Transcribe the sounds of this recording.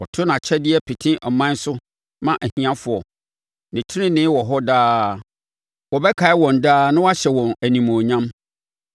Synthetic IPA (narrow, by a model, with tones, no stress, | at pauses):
ɔ˨tʰʊ˦nã˨t͡ɕʰɛ˦dɪ˦ɛ˦pʰi˨tʰĩ˦ʔɔ˨mã˦n˦sʊ˦ | mã˦ʔæ˨hĩ˨ã˦fʊ˨ɔ˨ | nɪ̃˨tʰɪ˦ɪ̃˦nɪ̃˦wɔ˨ɦɔ˦daː˦ | wɔ˨bɛ˦kʰa˨ɪ˦wɔ̃˨ndaː˦nʊ̃˦wa˦ɕɛ˨wɔ̃˨næ˨nĩ˨mõ˨ɲã˦m